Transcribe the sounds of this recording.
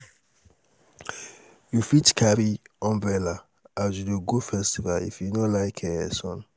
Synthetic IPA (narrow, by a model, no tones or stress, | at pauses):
jufitkʰaɾiɔ̃mbɛla | azudəɡofɛstivalḭfjunɔlaɪkʰɛɛ̰sɔ̃n